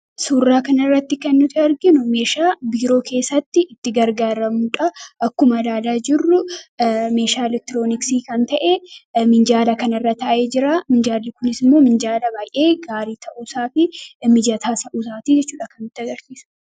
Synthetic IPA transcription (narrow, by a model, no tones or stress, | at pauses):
suːrːaːkɐnɐɪrːɐt̪ːɪkɛnːʊt̪ːɪɐɾɡɪnʊme̞ːʃaːbiːɾo̞ːkʰe̞ːsːɐt̪ːɪʔɪt̪ːɪɡɐɾɡaːɾɐmuᶑɐʔɐkːʊmɐlaːlaːd͡ʒɪrːʊ | me̞ːʃaːɛlɛk̚t̪ɪɾo̞ːnɪksiːkɐnt̪ɐʔemɪnd͡ʒaːlɐkɐnɐrːɐt̪ɐʔʔeːd͡ʒɪɾaːmɪnd͡ʒaːlːɪkʊnɪsɪmːoːmɪnd͡ʒaːlɐbaːjʔe̞ːɡaːɾiːt̪ʰɐʔuːsaːfɪmɪd͡ʒɐt̪ʰaːsɐʔuːsaːt̪id͡ʒɛt͡ʃːuːᶑɐkɐnːʊt̪ːɪɐɡɐɾsiːsʊ̥